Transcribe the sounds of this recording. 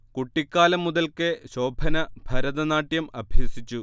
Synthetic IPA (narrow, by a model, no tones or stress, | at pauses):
kuʈːikʲːaːlɐmːuðɐlkeɕo̞ːbʱɐnɐb̥ʱɐɾɐðɐnaːʈjɐmɐbʱjɐsit͡ɕːu